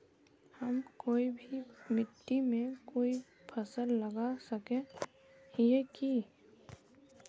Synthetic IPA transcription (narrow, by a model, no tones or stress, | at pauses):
həmkoːibʱimɪt̪ːimẽkoːi | pʰəsəlːəɡasəkẽ | eki